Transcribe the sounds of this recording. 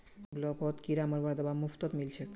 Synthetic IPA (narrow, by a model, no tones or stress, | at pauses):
blɔkɔt̪kiɾaməɾbaɾd̪ɔbamuft̪ɔt̪milt͡ɕʰek